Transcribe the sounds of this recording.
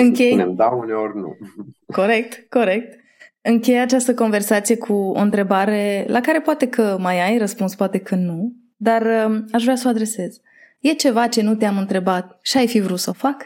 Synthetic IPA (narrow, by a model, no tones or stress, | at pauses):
ɨŋkʲejnḛmd̪auneorʲnṵko̞ɾe̞k̚t̪ko̞ɾe̞k̚t̪̚ | ɨŋkʲe̞jat͡ʃast̪əko̞nve̞rsat̪sije̞kʰuo̰ɨnt̪ɾe̞baɾe̞lʔakaɾe̞poat̪e̞kʰəmajajrəspunspoat̪e̞kʰənu | d̪arəaʃvɾʲeasəoad̪ɾe̞se̞z̥ | je̞t͡ʃe̞vat͡ʃe̞nut̪eamɨnt̪ɾe̞bat̪̚ʃiajfivɾut̪səofak